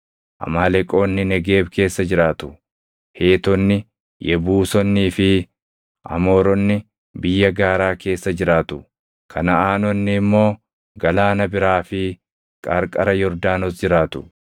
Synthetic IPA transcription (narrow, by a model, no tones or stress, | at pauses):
ʔɐ̰maːlɛkʼo̞ːnːɪnɛɡe̞ːbkʰe̞ːsːɐd͡ʒɪɾaːt̪ʊ̥ | he̞ːt̪ɔnːɪ | jʔɛbuːsɔnːiːfɪ | ʔɐ̰mo̞ːɾɔnːɪ | bɪjːɐɡaːɾaːke̞ːsːɐd͡ʒɪɾaːt̪ʊ | kʰɐnɐaːnɔnːɪːmːo̞ː | ɡɐlaːnɐbɪɾaːfɪ | kʼɐɾkʼɐɾɐjɔɾd̪aːnɔsd͡ʒɪɾaːt̪ʊ̥